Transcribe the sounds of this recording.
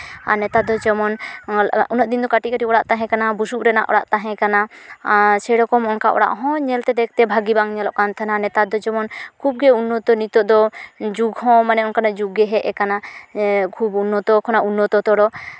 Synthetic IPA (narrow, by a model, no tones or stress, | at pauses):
a̰nɛt̪ad̪ɔd͡ʒɔmɔn | unɔʔd̪ind̪ɔkaʈikaʈiɔɽaʔt̪aɦɛ̃kanabusup̚ɾɛna̰ʔɔ̰ɽa̰ʔt̪aɦɛ̃kana | sɛɽɔkɔmɔŋkaʔɔ̰ɽa̰ʔɦɔ̃ɲɛlt̪ɛd̪ɛk̚t̪ɛbʱaɡibaŋɲɛlɔʔkant̪ʰananɛt̪ad̪ɔd͡ʒɔmɔnkʰub̚ɡɛunːɔt̪ɔnit̪ɔʔd̪ɔd͡ʒuɡɦɔ̃manɛɔnkanaʔd͡ʒuɡɛɦɛʔɛkana | kʰubunːɔt̪ɔkʰɔnaʔunːɔt̪ɔt̪ɔɽɔ